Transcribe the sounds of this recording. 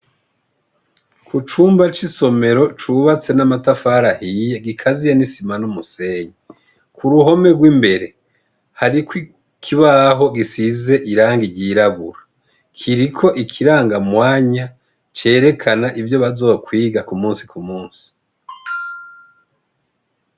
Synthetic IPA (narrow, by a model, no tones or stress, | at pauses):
kut͡ʃuːmbat͡ʃiso̞me̞ɾo̞t͡ʃuβat͡se̞namatafaːɾahiːjeɡikʰazijenisimanumuseːɲi | kʰuɾuɦo̞me̞ɡwimbe̞ɾe̞ | haɾikwi | kʰiβaɦo̞ɡisize̞ʔiɾaːŋɡiɟiɾaβuɾa | kʰiɾikʰo̞ʔikʰiɾaːŋɡamwaːɲa | t͡ʃe̞ːɾe̞kʰanaʔivjo̞βazokwiːɡakumuːnsi̥kʰumuːnsi̥